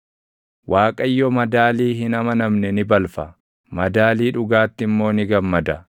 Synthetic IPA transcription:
wʔaːkʼɐjːɔmɐd̪aːliːhɪnɐmɐnɐmnɛnɪbɐlfɐ | mɐd̪aːliːᶑʊɡaːt̪ːɪmːo̞ːnɪɡɐmːɐd̪ɐ

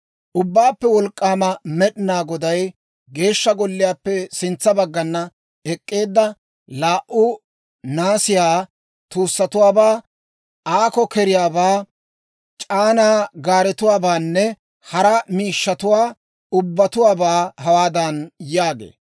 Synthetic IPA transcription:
ʔʊbːaːpːɛwɔlkʼːaːmɐmɛɗɪnaːɡɔd̪ɐj | ɡe̞ːʃːɐɡɔlːɪjaːpːɛsɪnt͡sːɐbɐɡːɐnːɐ | ɛkʼːe̞ːd̪ːɐ | laːʔʊ | naːsɪjaː | t̪uːsːɐt̪ʊwaːbaː | aːkɔkɛɾɪjaːbaː | t͡ʃʼaːnaːɡaːɾɛt̪ʊwaːbaːnːɛ | hɐɾɐmiːʃːɐt̪ʊwaː | ʊbːɐt̪ʊwaːbaːɦɐwaːd̪ɐnjaːɡḛː

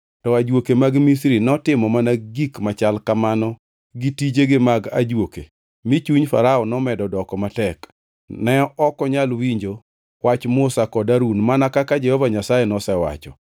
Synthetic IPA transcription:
tɔad͡ʒwokemaɡmisɾinɔtɪmɔmanaɡikmat͡ʃalkamanɔ | ɡitid͡ʒeɡɪmaɡa̰d͡ʒwoke | mit͡ʃuɲfa̰ɾaɔnɔmɛdɔdɔkɔmatɛk | nɛɔʔɔkɔɲalwiɲd͡ʒo | wat͡ʃmʊsakɔdaɾunmanakakad͡ʒɛhɔvaɲasajenɔsɛwa̰t͡ʃɔ̰

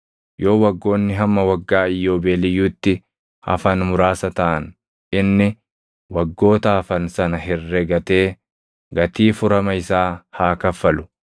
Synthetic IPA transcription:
jo̞ːwɐɡːo̞ːnːɪɦɐmːɐwɐɡːaːɪjːo̞ːbeːlɪjːuːt̪ːɪ | hɐ̰fɐnmʊɾaːsɐt̪ɐʔɐn | ʔɪnːɪ | wɐɡːo̞ːt̪ɐːfɐnsɐnɐhɪrːɛɡɐt̪e̞ː | ɡɐt̪iːfʊɾɐmɐɪsaːhaːkɐfːɐlʊ̥

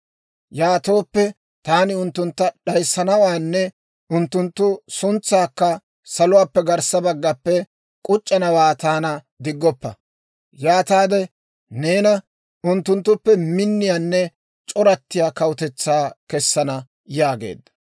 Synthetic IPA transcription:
jaːt̪o̞ːpːɛ | t̪aːnɪʊnt̪ːʊnt̪ːɐɗɐjsːɐnɐwaːnːɛ | ʊnt̪ːʊnt̪ːʊsʊnt͡sːaːkːɐ | sɐlʊwaːpːɛɡɐɾsɐbɐɡːɐpːɛ | kʼʊt͡ʃʼːɐnɐwaːt̪aːnɐ | d̪ɪɡːɔpːɐ | jaːt̪aːd̪ɛ | ne̞ːnɐ | ʊnt̪ːʊnt̪ːʊpːɛmɪnːɪjaːnːɛ | t͡ʃʼɔɾɐt̪ːɪjaːkɐwʊt̪ɛt͡sːaːkɛsːɐnɐ | jaːɡḛːd̪ːɐ̥

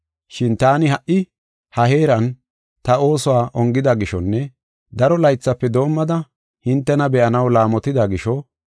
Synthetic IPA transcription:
ʃɪnt̪aːnɪhɐʔɪ | hɐɦe̞ːɾɐn | t̪ɐo̞ːsɔwaːʔɔŋɡɪd̪ɐɡɪʃɔnːɛ | d̪ɐɾɔlɐjt͡sːɐpːɛd̪o̞ːmːɐd̪ɐ | hɪnt̪ːɛnɐbɛʔɐnɐwlaːmɔt̪ɪd̪ɐɡɪʃɔ

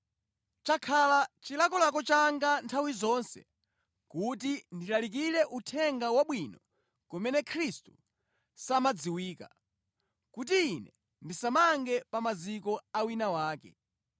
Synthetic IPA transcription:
t͡ʃakʰalat͡ʃilakɔlakɔt͡ʃaŋɡantʰawizɔnsɛ̰ | kutindilalik̬iɾɛʔutʰɛŋɡawaɓwinɔ | kɔmɛnɛkʰɾistu̥ | samad͡ziwiːka̰ | kut̬iːnɛ | ndisamaŋɡɛpamazikɔawinawaːkɛ̰

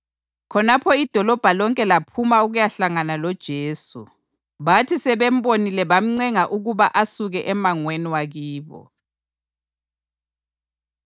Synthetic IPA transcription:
kʰɔnapʰɔid̥ʱɔlɔb̥ʱalɔŋkʼɛlapʰumauɣujaɬaŋanalɔd̥ʒ̥ʱeːsṵ | βatʰisɛβɛm̩bonilɛβam̩ŋ͡ǀɛŋaʔuɣuβaʔasuɣɛʔɛmaŋweniwaɣiːβɔ̰

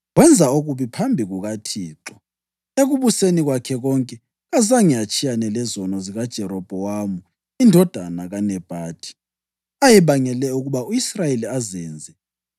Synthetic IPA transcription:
ɣwɛnd͡zʱaoɣuβipʰambʱiɣuɣatʰiːǁɔ | eɣuβuseniɣwakʰɛɣɔŋkʼɛ | ɣazaŋijat͡ʃʼijanɛlɛzɔnɔziɣad̥ʒ̥ʱɛɾɔb̥ʱɔwamu | indʱɔd̥ʱanaɣanɛb̥ʱaːtʰʼi̥ | ajiβaŋɛlɛuɣuβauisrajeliazɛːnd͡zʱɛ

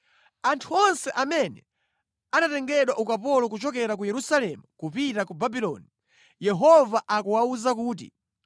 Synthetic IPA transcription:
antʰuɔnsɛʔamɛnɛ | anatɛŋɡɛɗwaʔukapɔlɔkut͡ʃɔkɛɾak̬ujɛɾusalɛmukupitakubabilɔ̰ːni | jɛɦɔvaʔakuwauzakuːt̬ḭ

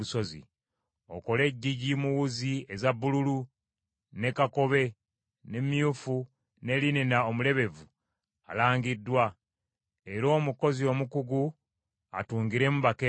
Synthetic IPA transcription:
uso̞zḭ | o̰ko̞le̞ɟːiɟimuwuzie̞zaβːululu | ne̞kako̞βe̞ | ne̞mjuːfu | ne̞lininaomule̞βe̞vu | a̰laːŋɡidːwa | eɾo̞ːmuko̞zio̞mukuɡu | a̰tuːŋɡiɾe̞muβake

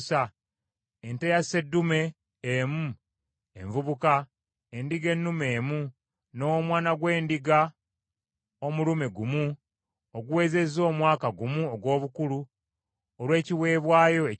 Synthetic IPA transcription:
sa | entejase̞dːume̞ː | mu | e̞̰ɱvuβuka | endiɡe̞nːume̞ːmu | no̞ːmwaːnaɡwe̞ːndiɡa | o̞mulume̞ɡumu | oɡuwe̞ːze̞zo̞ːmwaːkaɡumuoɡwo̞ːβukulu | olwe̞ːciwe̞ːβwaːjo̞e

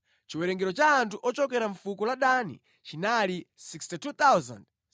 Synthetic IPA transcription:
t͡ʃiwɛɾɛŋɡɛɾɔt͡ʃaːntʰuʔɔt͡ʃɔkɛɾaɱfukulaɗanḭ | t͡ʃinalisikstitut̪awza̰nd

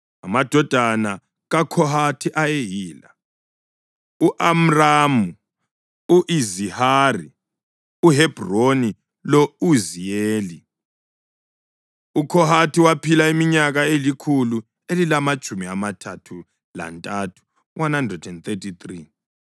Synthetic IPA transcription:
amad̥ʱɔd̥ʱana | ɣakʰɔɦatʰiʔajeɦiːla̰ | uʔam̩raːmu | uʔizihaːri | uɦɛb̥roni | lɔuzijeːli | ukʰɔɦatʰiwapʰilaimiɲaɣaelikʰulu | elilamat͡ʃʼumiamatʰatʰu | la̰ntʼatʰu̥ | wʔanhandrɛdɛnt̪ʰetʰit̪ri

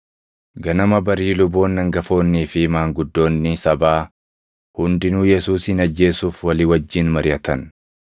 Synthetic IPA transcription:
ɡɐnɐmɐbɐɾiːlʊbo̞ːnːɐŋɡɐfo̞ːnːiːfɪmaːŋɡʊd̪ːo̞ːnːɪsɐbaː | hʊnd̪ɪnuːjɛsuːsɪnɐd͡ʒːe̞ːsuːfwɐlɪwɐd͡ʒːɪnmɐɾɪjɐt̪ɐn

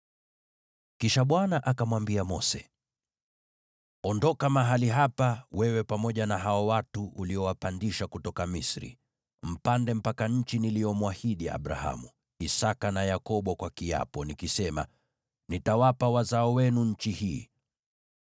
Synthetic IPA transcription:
kiʃaɓwanaʔakamwambiamɔsɛ̰ | ɔndɔkamaɦaliɦapawɛwɛpamɔʄanaɦaɔwatuʔuliɔwapandiʃakutɔkamisɾḭ | m̩pandɛm̩pakaɲ̩t͡ʃiniliɔmwahiɗia̰ɓɾa̰ha̰mu | isakanajakɔɓɔkwakia̰pɔnikisɛma̰ | nitawapawazaɔwɛnuɲ̩t͡ʃihiː

